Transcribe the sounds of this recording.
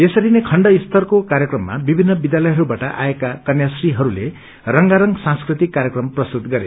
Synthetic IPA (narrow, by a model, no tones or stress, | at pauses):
esʌɾinekʰʌɳɖʌist̪ʌrkokaɾjʌkrʌmːa̰bibʱinːʌbid̪jalʌjɦʌɾubaʈʌʔa̰ekakʌnjasriɦʌɾule | rʌŋɡaɾʌŋɡsãnskrit̪ikːaɾjʌkrʌmprʌst̪ut̪ɡʌɾe